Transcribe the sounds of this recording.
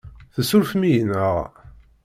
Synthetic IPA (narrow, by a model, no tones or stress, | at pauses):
θəsʊɾfmijənəʁ